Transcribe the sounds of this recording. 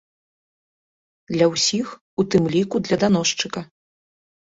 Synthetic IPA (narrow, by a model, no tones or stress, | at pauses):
d̪lʲɐwsʲix | ut̪ɨmlʲikud̪lʲɐd̪an̪ɔʂt͡ʂɨkɐ